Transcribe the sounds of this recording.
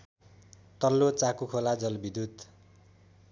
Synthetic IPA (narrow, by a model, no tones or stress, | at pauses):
t̪ʌlːot͡sakukʰolad͡zʌlbid̪ʱud̪